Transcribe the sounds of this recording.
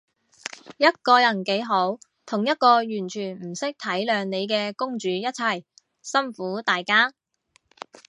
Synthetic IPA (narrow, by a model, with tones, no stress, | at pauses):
jɐ˥t̚kɔː˧jɐ˨˩nke˨˥jɦo˨˥w | t̪ʰʊ˨˩ŋjɐ˥t̚kɔː˧jyː˨˩nt͡ʃʰyː˨˩nm̩˨˩sɪ˥k̚t̪ʰɐ˨˥jlœː˨˧ŋne˨˧jkɛː˧kʊ˥ŋt͡ʃyː˨˥jɐ˥t̚t͡sʰɐ˨˩j | sɐ˥mfuː˨˥t̪aː˨jkaː˥